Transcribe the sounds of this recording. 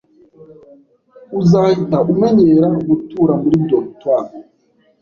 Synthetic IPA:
uzaːhitaʔumeɲeɾaɡutuːɾamuɾidoktwam

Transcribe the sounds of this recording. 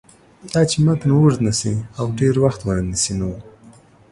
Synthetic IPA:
d̪ɑt͡ʃemat̪nawuʐd̪nasiawɖeɾwaxt̪wəɾanisino

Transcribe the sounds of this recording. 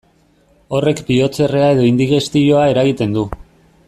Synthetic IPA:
o̞re̞kbio̞t͡se̞re̞ae̞ðo̞ind̪iɣe̞st̪ijo̞ae̞ɾaɣ̞it̪e̞nd̪u

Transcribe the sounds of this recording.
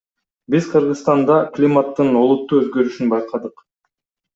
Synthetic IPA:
bizqʰɯɾʁɯst̪ɑnd̪ɑklʲimat̪ːɯno̞lˠut̪ːuːøzɡø̞ɾyʃynbɑjqʰɑd̪ɯq

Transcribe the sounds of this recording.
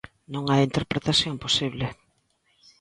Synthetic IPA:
nõŋaint̪eɾpɾet̪asθjomposiβlɪ

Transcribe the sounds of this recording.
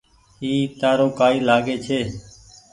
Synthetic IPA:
hiːt̪aːɾoːkaːiːlaːɡeːt͡ʃʰeː

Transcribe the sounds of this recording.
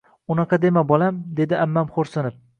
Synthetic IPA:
ʊnɑqɑd̪e̞mabɒlamd̪e̞d̪ɪʔamːamχoɾsɪnɪp̚

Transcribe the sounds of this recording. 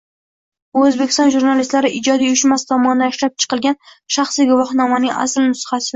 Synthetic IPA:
ɵzbekʲɪ̥st̪ɒnʒuɾnalist̪laɾɪʔɪd͡ʒɒd̪ijʊjʊʃmast̪ʰɒmɒnɪd̪anɪʃɾap̚t͡ʃʰɨ̥qɨlˠɡʲanʃaχsiɡʊvɒhnɒmanɪŋʔa̰slnʊshasɪ

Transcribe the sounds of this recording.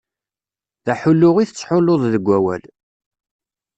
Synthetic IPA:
ðæħʊlːʊʁiθət͡sːħʊloðˤðəɡʷːæwæ̰l

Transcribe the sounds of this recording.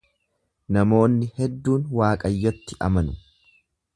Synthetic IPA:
nɐmo̞ːnːɪhɛd̪ːuːnwaːkʼɐjːɐt̪ːɪʔɐ̰mɐnʊ

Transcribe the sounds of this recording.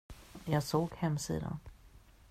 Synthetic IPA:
jɑːɡsoːɡhɛmːsḭːd̪a̰n

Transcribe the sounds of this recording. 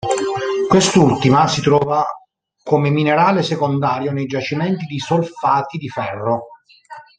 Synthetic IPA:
kwest̪ult̪imasit̪ɾɔːva | komemineɾaːlesekond̪aːɾjonejd͡ʒat͡ʃimɛnt̪id̪isolfaːt̪id̪ifɛrːo

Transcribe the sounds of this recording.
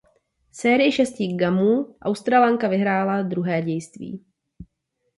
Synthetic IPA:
sɛːɾɪjɪʃɛscɪɡamuːʔawst̪ɾalaŋkavɪɦɾaːlad̪ɾuɦɛːɟɛjst̪vḭː

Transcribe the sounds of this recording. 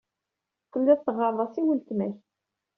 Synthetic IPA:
kəmd̪æθt̪ːəʁɑɾˤðˤɑsiwəlt̪mæç

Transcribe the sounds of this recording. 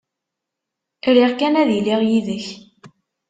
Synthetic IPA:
ɾiʁkænæðjlːiʁjiðəç

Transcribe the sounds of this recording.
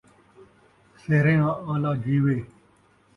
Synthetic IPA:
seɦɾẽːãːãːlaːd͡ʒwiːweː

